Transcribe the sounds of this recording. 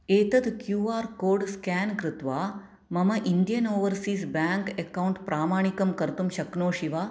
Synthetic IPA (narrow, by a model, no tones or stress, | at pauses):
eːt̪ɐd̪kjuːaːɾkoːɾɖskankɾɪt̪ʋaː | mɐmɐʔind̪jɐnoːʋəɾsiːsbaŋkekawɳʈpɾaːmaːɳ̃ikɐmkɐɾt̪umɕɐknoːɕiʋaː